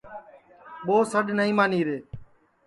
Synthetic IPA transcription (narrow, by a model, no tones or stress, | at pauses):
ɓoːsəɗnəĩːmãːniːɾeː